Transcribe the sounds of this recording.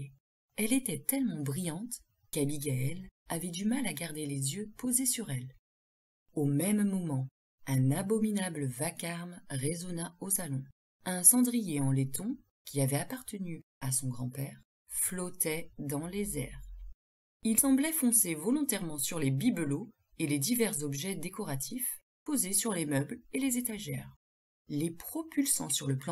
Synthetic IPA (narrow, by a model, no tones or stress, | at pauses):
ɛlet̪ɛt̪ɛlmɑ̃bʁijɑ̃t̪ | kabiɡaɛlavɛd̪ymalaɡaʁd̪elezjøpozesyʁɛl | omɛmːɔmɑ̃ | ɛ̃nabɔminabləvakaʁmʁezɔnaosalɔ̃ | ɛ̃sɑ̃d̪ʁijeɑ̃let̪ɔ̃ | kʲiavɛapaʁt̪əny | asɔ̃ɡʁɑ̃pɛʁ | flɔt̪ɛd̪ɑ̃lezɛ̰ʁ | ilsɑ̃blɛfɔ̃sevɔlɔ̃t̪ɛʁmɑ̃syʁlebiblo | eled̪ivɛʁzɔbʒɛd̪ekɔʁat̪ʰif | pozesyʁlemœblelezet̪aʒɛ̰ːʁ | lepχɔpylsɑ̰̃syʁləplɑ̃